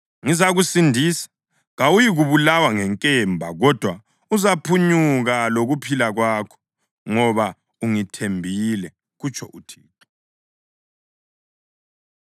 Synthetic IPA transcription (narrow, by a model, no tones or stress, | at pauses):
ŋizaɣusindʱiːsḁ | ɣawujiɣuβulawaŋɛŋkʼɛmbʱaɣɔd̥ʱwa | uzapʰuɲuɣaloɣupʰilaɣwaːkʰɔ̥ | ŋɔβa | uŋitʰembʱilɛ | ɣut͡ʃʼʰɔ̰ʔutʰiːtʰɔ̥